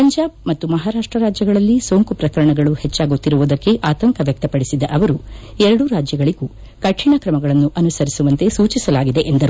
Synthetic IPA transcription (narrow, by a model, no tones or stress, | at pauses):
pɐɲd͡ʒaːb̚mɐt̪ːumɐɦaːɾaːʂʈɾɐɾaːd͡ʒjɐɡɐɭɐlːisoːŋkupɾɐkɐɾɐɳɐɡɐɭuhet͡ʃːaːɡut̪ːiɾuʋud̪ɐkːe̞ʔaːt̪ɐŋkʰɐʋjɐk̚t̪ɐpɐɽisid̪ɐʔɐʋɐɾuɛɾɐɽuɾaːd͡ʒjɐɡɐɭiɡuː | kɐʈʂʰiɳɐkɾɐmɐɡɐɭɐnːuʔɐnusɐɾisuʋɐnt̪e̞suːt͡ʃisɐlaːɡid̪e̞ʔend̪ɐɾu